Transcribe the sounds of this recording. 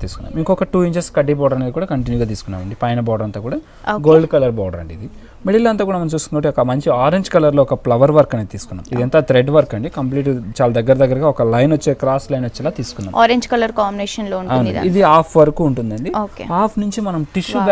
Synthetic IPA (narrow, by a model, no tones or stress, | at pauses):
t̪iːsu̥kunːa̰ːmiŋkɔkɐʈuːiɲt͡ʃɐskɐɖːibɔːɽɐɾɐned̪ikuːɽaːkɐɳʈ̬injuɡaːt̪̬iːsu̥kunːa̰ːʋɐɳɖipɐjɐnɐbɔːɐɽɐnt̪oːkuːɽaː | ɡoːlɖkɐlɐɾbɔːɽɐɾɐ̰ɳɖid̪i | meɽiloːɐnt̪aːkuːɽamɐnɐmt͡ʃuːst̪unɐkɐːʈiɔkɐmɐɲt͡ʃiaːɾeɲd͡ʒkɐlɐɾloːɔkɐplɐʋɐɾʋɐɾkɐnet̪iːsu̥kunːa̰mid̪ɛnt̪at̪ɾeɖʋɐɾkɐɳɖikɐmp̬liːʈt͡ʃaːlɐd̪ɐɡːɐɾɐd̪ɐɡːɐɾɐɡaːɔkɐlɐjnʋɐt͡ʃːɛːkɾaːslɐjnʋot͡ʃːɛlaːt̪iːsu̥kunːa̰ːmaːɾeɲd͡ʒkɐlɐɾkaːmbineːʃɐnloːuɳɐwn̰id̪iaːpʰʋɐɾɐkuːɳʈund̪ɐɳɖioːkeaːpʰnuɲt͡ʃimɐnɐmʈiʃu